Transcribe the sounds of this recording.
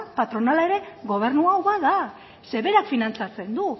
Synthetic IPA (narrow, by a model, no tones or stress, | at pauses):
pat̪ɾo̞nalae̞ɾe̞ɣo̞β̞e̞ɾnuawβaða | se̞βe̞ɾakfinant͡sat͡se̞nd̪u